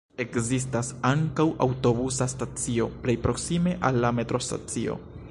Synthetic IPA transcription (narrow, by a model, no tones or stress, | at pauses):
e̞kzistasaŋkawʔawto̞busastat͡sio̞ple̞jpɾo̞ksime̞ʔalːame̞tɾo̞sta̰t͡sio̞̰